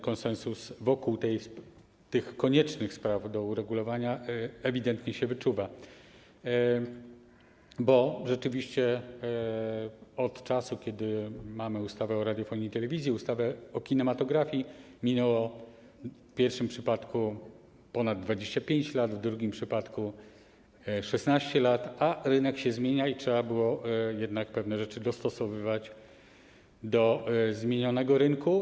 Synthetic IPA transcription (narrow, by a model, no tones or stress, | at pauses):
kɔnsɛnsusvɔkuwt̪ɛj | t̪ɘxkːɔɲɛt͡ʂnɘxspɾavd̪ɔuɾɛɡulɔvaɲaɛvʲid̪ɛnt̪ɲɛɕɛvɘt͡ʂuva | bɔʐɛt͡ʂɘvʲiɕt͡ɕɛ | ɔt̪t͡ʂasukʲɛd̪ɘmamɘust̪avɛɔɾad̪ʲjɔfɔɲijt̪ɛlɛvʲizʲjiust̪avɛɔkʲinɛmat̪ɔɡɾafʲjimʲinɛwɔ | pʲjɛɾfʂɘmpʂɘpat̪ku | pɔnad̪d̪ːvad͡ʑeɕt͡ɕapʲjeɲt͡ɕlad̪vd̪ɾuɡʲimpʂɘpat̪ku | ʂɛsnaɕt͡ɕɛlat̪aɾɘnɛkɕɛzmʲjeɲaitʂɛbabɘwɔjɛd̪nak̚pɛvnɛʐɛt͡ʂɘd̪ɔst̪ɔsɔvɘvat͡ɕ | d̪ɔzmʲjeɲɔnɛɡɔɾɘŋku